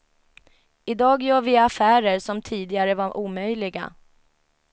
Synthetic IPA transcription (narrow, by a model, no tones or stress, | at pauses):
ɪd̪ɑːɡjœːɾvɪafæːɾəɾʂɔmt̪ʰiːd̪ɪaɾəvaʔuːmœjlɪɡa̰